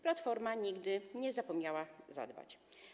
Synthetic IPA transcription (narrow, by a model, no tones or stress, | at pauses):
plat̪fɔɾmaɲiɡd̪ɘɲɛzapɔmɲawaza̰d̪ba̰t͡ɕ